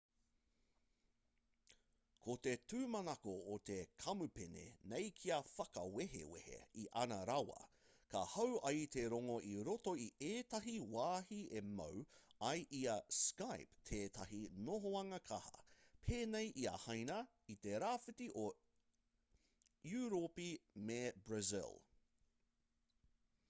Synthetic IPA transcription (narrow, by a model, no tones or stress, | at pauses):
kʰot̪e̞tʰʉːmɐnɐkoːt̪ekʰɐmupenḛnejkʰiɐfɐkɐ̰weɦḛwḛhḛiʔɐnɐɾɐwɐ̰ | kɐ̰hɐwʔɐjt̪e̞ɾoŋoʔiɾotoiʔeːt̪ɐɦiwaːɦiemɐ̰wɐjʔiɐskajpt̪ʰeːt̪ʰɐɦinoɦoɐŋɐkʰɐhɐ̰pʰeːnejʔiɐ̰hajnɐ | it̪eɾaːfitiʔo | juɾopimebɹɐzɪ̰lˠ